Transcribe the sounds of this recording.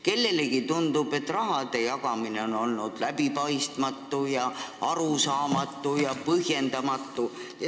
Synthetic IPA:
ke̞lːe̞leɡit̪und̪ub̥e̞t̪ːˑrɑɦɑd̪̥e̞jɑɡɑmine̞o̞no̞lnud̪̥læbipɑjst̪mɑt̪ːujɑɑɾusɑːmɑt̪ːˑujɑpɤhje̞nd̪̥ɑmɑt̪ˑːu | jɑ

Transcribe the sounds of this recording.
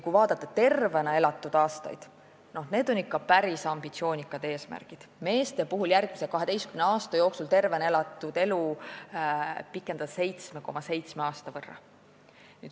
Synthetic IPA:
kujvɑːd̪̥ɑt̪ːˑet̪e̞rve̞nɑe̞lɑt̪ːˑud̪̥ɑːst̪ɑ̰jd̪̥ | no̞hne̞ːd̪o̞nʲːikːɑpæɾisɑmb̥it̪sio̞ːnʲikːˑɑd̪̥e̞ːsmæ̰rɡ̥id̪̥me̞ːst̪e̞puɦuljærɡ̥̚miselkɑɦe̞d̪e̞jst̪kymneɑːst̪ɑjo̞ːksult̪e̞rvenɑe̞lɑt̪ːˑud̪̥e̞lu | pikːˑend̪ɑse̞jt̪smeko̞mɑse̞jt̪smeɑːst̪ɑvɤrːɑ̰ | nyːd̪

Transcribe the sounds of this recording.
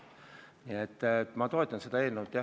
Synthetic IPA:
niet̪ːt̪ːmɑt̪o̞et̪ːˑɑnse̞d̪ɑe̞ːlnewut̪ːˑjɑ

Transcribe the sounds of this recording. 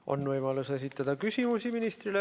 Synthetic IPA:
o̞̰nvɤjmɑluse̞sit̪ːˑɑd̪̥ɑkysʲimusiminist̪rile

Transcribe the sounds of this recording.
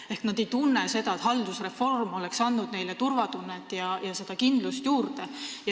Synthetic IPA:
e̞hknɑd̪e̞jt̪unːe̞se̞d̪ɑet̪hɑld̪̥usre̞fo̞rmo̞leksɑnːud̪̥ne̞jlet̪urvɑt̪unːet̪ːˑjɑjɑse̞d̪ɑkind̪̥lust̪juːrd̪e̞j

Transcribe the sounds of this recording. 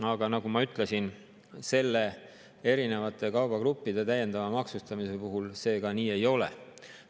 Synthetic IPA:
ɑɡ̥ɑnɑɡ̥umɑyt̪ˑle̞sin | se̞lːe̞ | e̞ɾine̞vɑt̪ːˑe̞kɑwbɑkɾupːid̪̥e̞t̪æje̞nd̪̥ɑvɑmɑksust̪ɑmise̞puɦulse̞ːkɑniːe̞jo̞le̞̰

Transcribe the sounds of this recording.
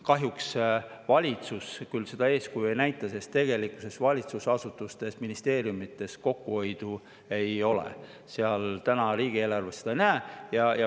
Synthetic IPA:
kɑɦjuksvɑlʲit̪suskylse̞d̪̥ɑe̞ːskujue̞jnæjt̪ːˑɑsest̪ːe̞ɡ̥e̞likːˑu̥se̞svɑlʲit̪susɑsut̪ːˑust̪e̞sminist̪e̞ːɾjumit̪ːˑe̞sko̞kːuo̞jd̪̥u | e̞jo̞lḛ | seɑlt̪ænɑɾiːɡ̥ieːlɑrvesed̪̥ɑjnæːjɑjɑ

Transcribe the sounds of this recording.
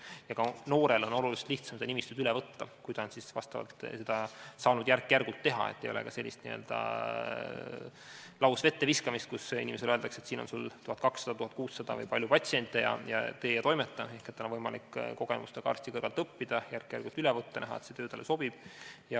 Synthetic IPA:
jɑkɑno̞ːɾe̞lo̞no̞lulise̥t̪liht̪sɑmsed̪ɑnimist̪ud̪ylɛvɤt̪ːɑkujd̪ɑnsisvɑ̰st̪ɑvɑ̰lt̪sed̪̥ɑsɑːnud̪̥jærkːˑjærɡ̥ult̪ːe̞ɦɑ̰ḛt̪ːˑe̞jo̞̰lḛkɑse̞lʲːist̪nḭø̰ld̪̥ɑ̰ | lɑwsve̞t̪ːe̞viskɑmist̪̚kusḭnimes̬eløeld̪ɑkse̞t̪siːno̞nsult̪uhɑt̪̚kɑksːɑd̪̥ɑt̪uhɑt̪̚kuːsːɑd̪̥ɑvɤ̰jpɑlʲjupɑt̪sient̪ʲːˑejɑ̰jɑ̰t̪e̞ːjɑt̪o̞jmet̪ːɑe̞hket̪ːɑlonvɤjmɑlikːko̞ɡ̥ḛmṵst̪ekɑɑ̰ːrsʲt̪ikɤrɾɡɑlt̪ˑɤpːid̪̥ɑjærkːjæ̰rɡ̥ult̪ːylɛvɤt̪ːɑnæɦɑ̰et̪set̪øːt̪ɑleso̞b̥ib̥jɑ

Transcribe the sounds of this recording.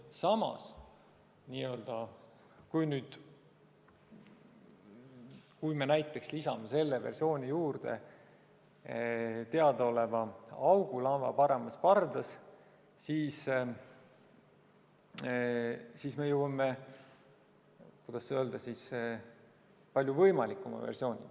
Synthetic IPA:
sɑmɑ̰s | niːø̞ld̪̥ɑ | kujnyːd̪̥ | kujme̞næjt̪ːˑe̞kslisɑmese̞lːeversio̞ːnʲijuːrd̪̥ḛ | t̪e̞ɑd̪ɑo̞le̞vɑɑwɡ̥ulɑnvɑ̰pɑɾe̞mɑspɑrd̪ɑs | siːs | siːsmejuwɑme | kujd̪̥ɑsːøːld̪̥ɑsis | pɑlʲjuvɤjmɑlikːˑumɑ̰vḛrsio̞ːnʲḭ

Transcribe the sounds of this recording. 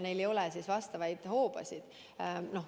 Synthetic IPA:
ne̞jlejo̞lɛsisvɑst̪ɑvɑjd̪̥ho̞ːb̥ɑ̰sʲid̪̥ | no̞h

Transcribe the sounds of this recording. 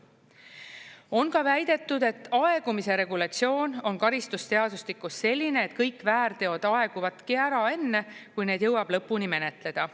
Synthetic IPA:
o̞nkɑvæjd̪̥e̞t̪ːˑud̪e̞t̪ːˑɑe̞ɡ̥umise̞ɾe̞ɡulɑt̪sio̞ːno̞nkɑɾist̪ust̪e̞ɑd̪uslikːˑusːe̞lʲːine̞ːt̪kɤjkːvæːɾt̪e̞o̞d̪̥ɑe̞ɡ̥uvɑt̪kiæɾɑe̞nːe̞kujne̞ːd̪̥jɤwɑb̥lɤ̞pːunime̞ne̞t̪ˑle̞d̪̥ɑ

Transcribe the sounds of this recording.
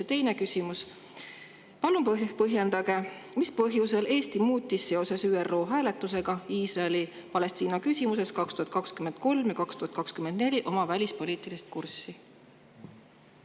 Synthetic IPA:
et̪e̞jne̞kysʲimus | pɑlumppɤɦjend̪̥ɑɡ̥e̞ | mispɤɦjuse̞lʔe̞ːst̪imuːt̪ːisse̞o̞se̞syːero̞ːɦæːle̞t̪ːˑuse̞ɡ̥ɑiːsrɑeli | pɑle̞st̪iːnɑkysʲimuse̞skɑkst̪uhɑt̪kɑkskymend̪̥̚ko̞lmjɑkɑkst̪uhɑt̪̚kɑkskymend̪̥ne̞lʲiʔo̞mɑvælʲispo̞liːt̪ilist̪̚kursːi

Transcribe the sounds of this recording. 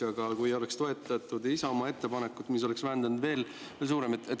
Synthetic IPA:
ɑɡ̥ɑkujo̞le̞kst̪o̞e̞t̪ːˑɑt̪ːˑud̪isɑomɑe̞t̪ːe̞pɑne̞kːut̪ːmis̬o̞leksvæɦænd̪ɑnud̪ve̞ːl | s̬uːɾe̞met̪ːˑet̪ːˑ

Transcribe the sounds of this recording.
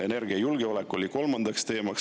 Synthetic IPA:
e̞ne̞rɡ̥iɑjulɡ̥eo̞lekːˑo̞lʲiko̞lmɑnd̪̥ɑkst̪e̞ːmɑks

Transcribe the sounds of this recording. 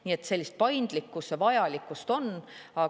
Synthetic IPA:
nie̞t̪se̞lːist̪̚pɑjnd̪̥likːˑusɑvɑjɑlikːˑust̪o̞nɑ

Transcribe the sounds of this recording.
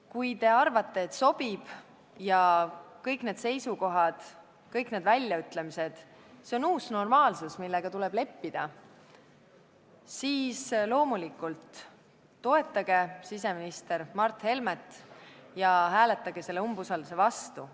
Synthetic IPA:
kujt̪e̞ɑrvɑt̪ːˑe̞ːt̪so̞b̥ib̥ | jɑkɤjkˑne̞ːd̪̥se̞jsuko̞ɦɑd̪̥ | kɤjkne̞d̪vælʲːjɑyt̪ːˑle̞mise̞d̪̥ | se̞o̞nuːsno̞rmɑːlsusmilːeɡ̥ɑt̪ule̞b̥le̞pːid̪̥ɑ | siːslo̞ːmulikːˑult̪ː | o̞e̞t̪ːˑɑɡ̥e̞sis̬e̞minist̪e̞ɾmɑrt̪ˑhe̞lmet̪ˑjɑɦæːle̞t̪ːˑɑɡ̥e̞se̞lːeumbusɑld̪use̞vɑst̪u

